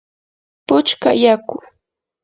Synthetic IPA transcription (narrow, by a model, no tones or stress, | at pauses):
pʊt͡ʃka̰jakʊ